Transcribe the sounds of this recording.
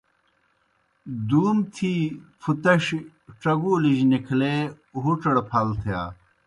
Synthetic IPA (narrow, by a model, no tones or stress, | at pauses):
d̪uːmt̪ʰiːfʰut̪ɐɕ | ʈ͡ʂɐɡuliʑnikʰleː | ɦuʈ͡ʂɐɽpʰɐlt̪ʰija̰ː